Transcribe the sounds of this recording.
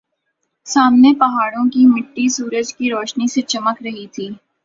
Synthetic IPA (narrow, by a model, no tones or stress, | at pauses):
saːmnepɐɦaːɽõkimɪʈːisuːɾəd͡ʒkiɾoːʃniset͡ʃɐməkɾɐɦit̪ʰiː